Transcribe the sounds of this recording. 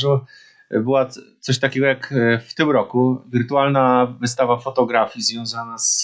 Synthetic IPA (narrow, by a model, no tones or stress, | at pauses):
ʐu | bɘwat̪sɔɕt̪akʲɛɡɔjakft̪ɘmɾɔkuvʲiɾt̪ualnavɘst̪avafɔt̪ɔɡɾafʲjizvʲjɔ̃w̃zanas